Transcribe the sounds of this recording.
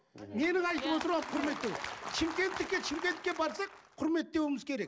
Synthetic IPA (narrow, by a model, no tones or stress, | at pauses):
me̞nɪŋɑjt̪əwot̪əɾɑqʰʊɾme̞t̪ːewt͡ʃʰɪmkʲe̞nt̪ːɪkʲːet͡ʃʰɪmkʲet̪ːɪkʲe̞bɑɾsɑq̚qʰʊɾme̞t̪̚ːe̞wɪmɪzkʲʰe̞ɾe̞k̚